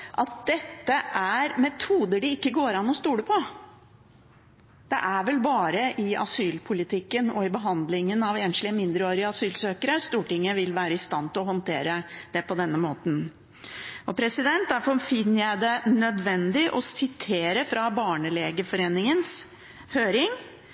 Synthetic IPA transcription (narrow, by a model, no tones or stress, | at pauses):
ʔɑt̪̚d̪ɛt̪ːəʔæɾmɛt̪ʰuːd̪əɖɪɪkːəɡoːɾɑnːɔst̪uːɽəpʰɔ | d̪̥ɛ̰ʔæɾʋɛlbɑːɾəʔɪɑ̰syːlpʰʊlɪt̪ʰɪkːənɔɪbəɦɑnd̪lɪŋənɑʋeːnʃlɪəmɪnd̪ɾəoːɾɪəɑsyːlsøːkəɾəst̪uːʈɪŋːəʋɪlʋæːɾəɪst̪ɑnt̪ʰɪlɔɦɔnt̪ʰeːɾəd̪̥ɛpɔd̪ɛnːəmoːt̪n̩ | ɔpʰɾɛsɪd̪ɛnt̪̚d̪æɾfɔɾfɪnːəjæɪd̪ɛnœd̪ʋɛnd̪ɪʔɔsɪt̪ʰeːɾəfɾɑbɑːɳəleːɡəfɔɾeːnɪŋəns | høːɾɪŋ